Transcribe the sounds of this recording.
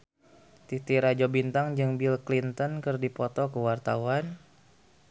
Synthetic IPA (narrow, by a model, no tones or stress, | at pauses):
t̪it̪iɾad͡ʒɔbint̪aŋd͡ʒɨŋbilklint̪ɔnkɨrdipɔt̪ɔkəwart̪a̰wan